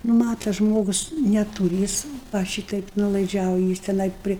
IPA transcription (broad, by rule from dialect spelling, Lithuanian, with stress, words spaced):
ˈnʊ ˈmɑːtɐ ˈʒmoːɡʊs nʲɛˈtuːrʲɪ ˈjɪs ʋɐ ˈʃʲiːtɐɪp nuɔlˠɐɪˈd͡ʒʲɛʊjɪ ˈjɪs tʲɛˈnɐɪ ˈpʲrʲɪ